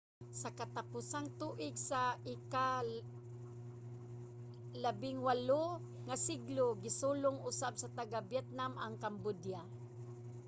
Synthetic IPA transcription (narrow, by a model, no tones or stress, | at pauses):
sakat̪apʊsaŋt̪uːʔɪɡsaʔɪka | labɪŋwalo | ŋasɪɡloɡɪsulʊŋʊsabsat̪aɡabjɛt̪̚namaŋkambʊdja